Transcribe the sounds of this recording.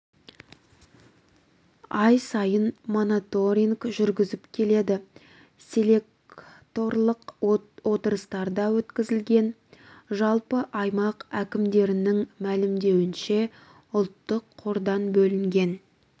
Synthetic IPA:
ɑjsɑjənmo̞not̪o̞ɾʲiŋɡʒʏɾɡʲɪzɪpkʲʰe̞le̞d̪ɪ | se̞le̞k̚ | t̪o̞ɾlˠəqwo̞t̪əɾəst̪ɑɾd̪ɑwɵt̪kʲɪzɪlɡʲe̞n | ʒɑlˠpəʔɑjmɑqækʲɪmd̪e̞ɾɪnɪŋmælɪmd̪e̞wɪnʃe̞ | ʊlˠt̪ːəqʰːo̞ɾd̪ɑnbɵlɪŋɡʲe̞n

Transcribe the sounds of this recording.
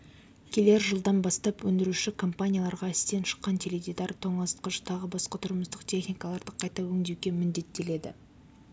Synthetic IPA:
kʲʰele̞ɾʒəlˠd̪ɑnbɑst̪ɑpwɵnd̪ɪɾuʃɪkʰompanʲijalˠɑɾʁɑɪst̪e̞nʃə̥qːɑnt̪ʲʰeled̪ʲid̪ɑɾt̪ʰo̞ɴɑst̪qəʃt̪ʰɑʁəbɑsqɑt̪ʰʊɾməst̪əqt̪ʰʲe̞χnijkalˠɑɾd̪əqʰɑjt̪ɑwɵŋd̪ewɡʲe̞mɪnd̪e̞t̪ːe̞le̞d̪ɪ̰

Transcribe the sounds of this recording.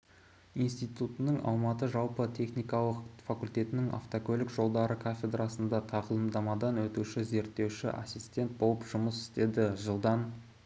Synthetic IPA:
ijnst̪ijt̪ut̪ənəɴɑ̰lˠmɑt̪əʒɑlˠpət̪ʲʰe̞χnijkɑlˠəqfakulʲt̪ʲe̞t̪ɪnɪŋa̰ft̪okʲɵlɪkʒo̞lˠd̪ɑɾəkʰafʲe̞d̪rɑsənd̪ɑt̪ʰɑʁəlˠəmd̪ɑmɑd̪ɑnwɵt̪uʃɪze̞ɾt̪ːe̞wʃɪ̰ʔasijst̪ʲe̞nt̪̚bolˠəpʒ̥ʊməsɪ̥st̪e̞d̪ɪʒəlˠd̪ɑn

